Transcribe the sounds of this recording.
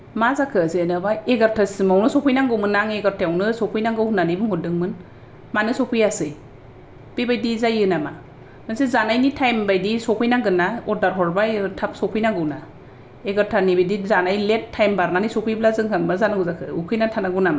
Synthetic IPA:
mazakʰɯzenɯbaeɡaɾtʰasmawnɯsɔpʰɯjnaŋɡɯwmɯnːaŋeɡaɾtʰejawnɯsɔkʰujnaŋɡɯwhunːanɯbɯŋhɔdɯŋmɯn | manɯsɔkʰɯjasɯj | b̥ibajdizajɯnama | mɯnsezanajnitʰajmbajdisɔkʰɯjnaɡɯnːaɔdaɾɦɔɾbaetʰap̚sɔpʰɯjnaɡɯwna | eɡaɾtʰanibajdizanajletʰːajmbaɾnanisɔpʰɯjblazɯŋɦɯŋmazanaɡuzakʰɯukʰɯjnatʰanaɡunama

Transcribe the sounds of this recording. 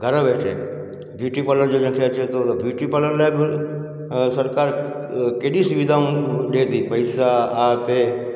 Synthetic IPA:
ɡʱəɾãbeːʈʰḛ | bʱjuːʈipələɾd͡ʒoːd͡ʒə̃kʰeat͡ʃʰet̪objuːʈipələɾlaːeb | səɾkaːɾ | keɗisʊʋɪd̪ʱaũɗeːd̪iːpəɪsaaːt̪e

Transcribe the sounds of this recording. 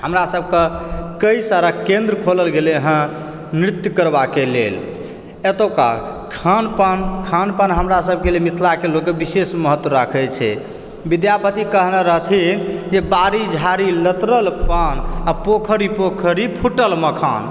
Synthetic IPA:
həmɾasəb̚ʱkəkəjsaɾakẽnd̪ɾəkʰoləlɡeleɦə̃ | nɾit̪jəkəɾbakelḛl | et̪oka̰ | kʰanpankʰanpanɦəmɾasəb̚ʱkelemit̪ʰlakelokːebisesməɦət̪ːwəɾakʰɛt͡ʃʰɛ̰ | bid̪japət̪ikəɦnaɾəɦt̪ʰind͡ʒebaɾid͡ʒʱaɾilət̪ɾəlpanapokʰəɾipokʰəɾipʰuʈəlməkʰa̰n

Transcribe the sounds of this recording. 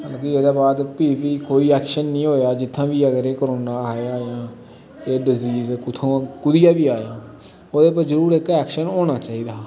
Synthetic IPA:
kəlːkieːd̪aːbaːd̪piːʋiːkoːiːɛːkʃənːĩːɦoːjaːd͡ʒɪt̪ʰːãːʋiːəɡəɾeːkoɾoːnãːaːeaːjãː | eːɖɪziːzkʊt̪ʰõːkʊd̪ɪjãːʋiːaːjãː | oːd̪eːpəzəɾuːɾekːɛːkʃənoːɽ̃aːt͡ʃaːɦiːd̪aː

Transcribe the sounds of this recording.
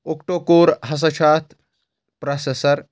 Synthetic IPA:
okʈokoːɾɦɐs̬ɐt͡ʃʰaːt̪ʰ | pɾɐsesɐɾ

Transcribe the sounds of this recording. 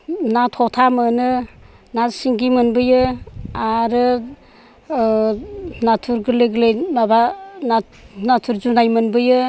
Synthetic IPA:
natʰɔtʰamɯnɯ | nasiŋɡimɯnbɯjɯaɾɯ | natʰuɾɡɯlɯɡɯlejnabana | natʰuɾzunajmɯnbɯjɯ

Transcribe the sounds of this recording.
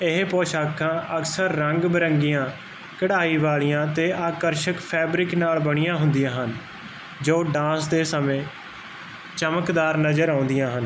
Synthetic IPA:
ɪɦpɔːʃaːkʰãːʔəksəɾːəŋɡbəɾəŋɡijãː | kəɽaːiːʋaːɭijãːt̪eːʔaːkəɾʃəkpʰɛːbɾɪknaːlbəɽ̃ijãːɦʊnd̪ijãːɦən | d͡ʒoːɖãːsd̪eːsəmẽː | t͡ʃəməkd̪aːɾnəzəɾãːʊ̃nd̪ijãːɦən

